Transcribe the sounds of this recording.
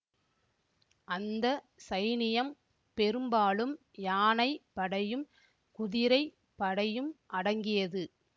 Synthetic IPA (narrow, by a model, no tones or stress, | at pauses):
ʔɐnd̪ɐ | sɐjnɪjɐm | pɛɾɯmbaːlɯm | jaːnɐɪpːɐɽɐjɯm | kʊðɪɾɐɪ | pːɐɽɐjɯmʔɐɽɐŋɡɪjɐðɯ